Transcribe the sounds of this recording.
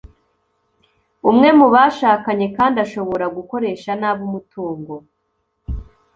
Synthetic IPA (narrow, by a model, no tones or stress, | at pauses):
umŋe̞muβaʃaːkaɲe̞kaːndaʃo̞βo̞ɾaɡuko̞ɾe̞ːʃanaːβumutuːŋɡo̞